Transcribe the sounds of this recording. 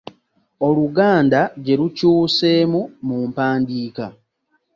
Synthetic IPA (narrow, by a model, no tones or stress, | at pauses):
o̞luɡaːndaɟe̞ɾucuːse̞ːmumuːmpaːndiːka